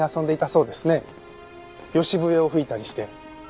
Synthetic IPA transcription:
iasõ̞nd̪e̞it̪aso̞ːd̪e̞sɨne̞ | jo̞ɕibɯ̟e̞o̞ɸɯ̟it̪aɾʲiɕi̥t̪e̞

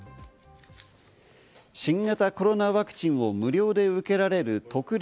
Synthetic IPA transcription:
ɕĩŋɡat̪ako̞ɾo̞naβakɯ̟̥t͡ɕĩɰ̃o̞mɯ̟ɾʲo̞ːd̪e̞ɯ̟ke̞ɾaɾe̞ɾɯ̟t̪o̞kɯ̟ɾʲ

